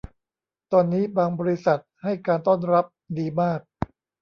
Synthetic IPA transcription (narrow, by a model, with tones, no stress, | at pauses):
t̪ɔː˧nːiː˦˥baː˧ŋbɔː˧ɾi˦˥sa˨˩t̪̚ha˥˩jkaː˧nt̪ɔː˥˩nɾa˦˥p̚diː˧maː˥˩k̚